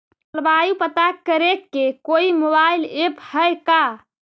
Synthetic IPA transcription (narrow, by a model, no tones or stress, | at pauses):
lbajupət̪akːəɾekːekoimobailephəjka